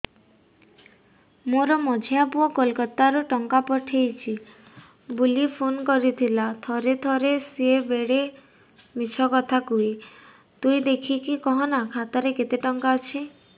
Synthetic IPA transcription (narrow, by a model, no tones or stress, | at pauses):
moɾɔmɔd͡ʒʱjapuɔkolkɔt̪ːaɾuʈɔŋkapɔʈʰejt͡ʃʰi | bulipʰonkɔɾit̪ʰilat̪ʰɔɾet̪ʰɔɾesiebeɽe | mit͡ʃʰɔkɔt̪ʰakui | t̪uid̪ekʰikikɔɦɔnakʰat̪ɔɾeket̪eʈɔŋkaɔt͡ʃʰi